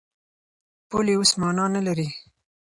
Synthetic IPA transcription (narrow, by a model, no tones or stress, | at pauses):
poleosmɑnɑnalaɾi